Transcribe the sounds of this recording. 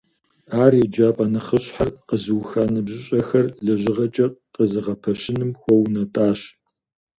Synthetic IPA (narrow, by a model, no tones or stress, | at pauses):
aːrjɛd͡ʒaːpʼaːnɐχəɕħarqəzɨwxaːnɨbʑɪɕʼɐxɐrɮɐʑɪʁɐt͡ʃʼɐqʼəzɨʁɐpʰɐɕɪnɨmxʷɔwnɐtʼaːɕ